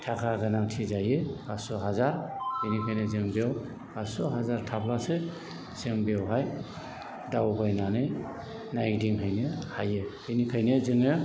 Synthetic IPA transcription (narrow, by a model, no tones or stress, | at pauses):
tʰakʰaɡanaŋtʰizajekasɔɦazaɾhɯnikʰajnezeŋbew | kasɔɦazaɾtʰapʰlase | z̥eŋbewɦaj | dawbajnanɯj | najdiŋɦajnehajehɯnikʰajnezɯŋɯ